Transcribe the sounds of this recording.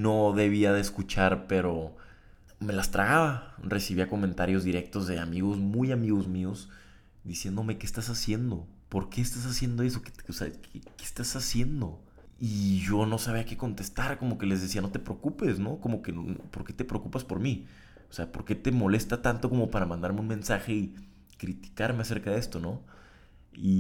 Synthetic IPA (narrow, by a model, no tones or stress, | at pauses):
no̞ðeβ̞iaðeskut͡ʃaɾpe̞ɾo̞ | me̞last̪ɾaɣaβare̞siβiako̞mẽnt̪aɾjo̞zðiɾe̞k̚t̪o̞zðe̞amiɣo̞zmujamiɣo̞zmio̞s | d̪isje̞nd̪o̞me̞kest̪asasje̞nd̪o̞ | po̞ɾke̞ːst̪as̬asje̞nd̪o̞e̞soke̥osea̰kekest̪asasje̞nd̪o̞ | iʝo̞no̞saβ̞iake̞ko̞nt̪e̞st̪aɾko̞mo̞ke̞le̞zðesiano̞t̪e̞pɾeokupe̞sno̞ko̞mo̞ke̞npo̞ɾke̞t̪e̞pɾeokupaspo̞ɾmi | o̥se̞apo̞ɾke̞t̪e̞mo̞le̞st̪at̪ant̪o̞ko̞mo̞paɾamãnd̪aɾmeunmẽ̞nsaxe̞i | kɾit̪i̥kaɾme̞ase̞ɾkaðee̞st̪o̞no̞ | i